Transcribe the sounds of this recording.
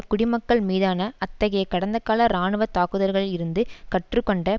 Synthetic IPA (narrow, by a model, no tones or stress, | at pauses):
kʊɽɪmɐkːɐɭmiːðaːnɐɐt̪ːɐɣɐjɐkːɐɽɐnd̪ɐkaːlɐɾaːɳɯʋɐt̪ːaːkɯðɐɾɣɐɭɪɾɯnd̪ɯkɐʈrɯkːɔɳɖɐ